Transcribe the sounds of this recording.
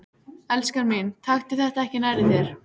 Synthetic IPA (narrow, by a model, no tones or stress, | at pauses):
ɛlskaɾmɪnt̪ʰaxt̪ɪθɛht̪aɛhcɪnaɾɪθjɛɾ̥